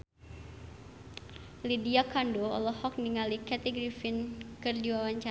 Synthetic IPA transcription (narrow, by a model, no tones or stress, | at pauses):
lidiakandoɔ̰lɔhɔk̚niŋalikɛt̪iɡɾifinkɨrdiwawaɲt͡ʃa